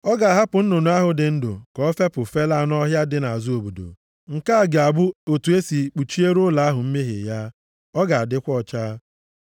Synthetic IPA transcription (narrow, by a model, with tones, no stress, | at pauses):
ɔ˦ɡa˨a˨ɦa˦pʊ˨n̩˦no˨nu˨˦a˦ɦʊ˨dɪ˨n̩˦dʊ̰˨kɔ˦fe˦pʊ˨fe˦la˦˨nɔ˦ɦja˦dɪ˨˦na˨a˨zu˦o˨bu˨do̰˨ | ŋ̩˨ka˦a˨ɡe˨a˨bʊ˦o˨tu˨e˦si˨k͡pu˨t͡ʃi˦e˦ɾʊ˦la˨˦a˦ɦʊ˨m̩˦me˦ɦɪ̰˨ja˦ | ɔ˦ɡa˨a˨dɪ˦kʷɔ˦˨t͡ʃaː˦